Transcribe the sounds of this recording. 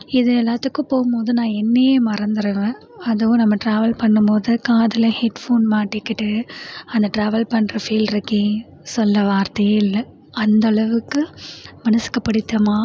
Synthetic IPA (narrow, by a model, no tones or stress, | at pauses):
ɪðɯɛlːaːt̪ɯkːɯ̃poːɣɯmpoːðɯnãːɛnːɐjeːmɐɾɐnd̪ɯɾɯʋẽː | ɐðɯʋʊ̃nɐmːɐʈɾaːʋɐlpɐɳːɯmpoːðɯkːãːɐðɯlɐhɛʈfoːnmaːʈːɪkːɪʈːɯɐnd̪ɐʈɾaːʋɐlpɐɳːɾɐfiːlɾɐkːi | sɔlːɐʋaːɾt̪ɐjɪlːɐ | ɐnd̪ɐɭɐʋɯkːɯmɐnɐsɯ̥kːɐpːɐɽɪt̪ːɐmaː